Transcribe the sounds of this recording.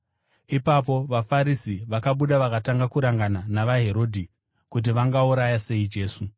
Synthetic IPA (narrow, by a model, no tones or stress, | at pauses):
ipap̬o̞ʋafaɾisiʋakaɓuɗaʋakataŋɡakuɾaŋɡananaʋaɦe̞ɾo̞ːdʱi | kut̬iʋaŋɡauɾajase̞id͡ʒe̞ːsu